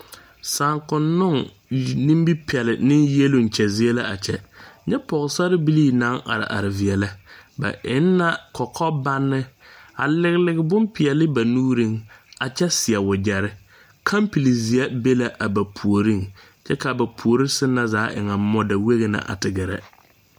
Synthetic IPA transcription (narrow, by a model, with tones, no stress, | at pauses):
saː˨ŋkʊ˨nːʊ˦ŋ | nĩ˦mbi˦pʰɛ˨lɪ̰˨nɪ˦nje˦lʊ˦ŋ˨t͡ʃɛ˨zɪ˦e˦la˦a˨t͡ʃɛ˨ɲɛ˦pɔ˨ɣɪ˨sa˦ɾɪ˦bi˦liː˦na˨˦ŋa̰˨ɾɪ̰˨ʔa̰˨ɾɪ˨vi˨ɛ˨la˦ba̰˨ʔɪ̰˦nː˦a˦kɔ˨kʰɔ˦ba˦nːɪ˦a̰˨lɪ˦ɣɪ˦lɪ˦ɡɪ˨bʊ˦mpɪ˨ɛ˨lɪ˦ba˨nuː˦ɾi˦˨ŋa˨t͡ʃɛ˦sɪ˨ɛ˨wʊ˨d͡ʒɛ˨ɾɪ˦ | kʰa˦mpi˨li˨zi˨a˦be˦la˨ʔa˨ba˨pʰu˨o˨ɾi˦˨ŋ | t͡ʃɛ˦ka˨ba˨pʰu˨o˨ɾi˦sɪ˦nːa˦zaː˨˦ʔɪ̰˨ŋa˨˦mɔ˦da˨we˦ɣe˨na̰˨ʔa̰˨tɪ˨ɡɪ˨ɾɛ̰˦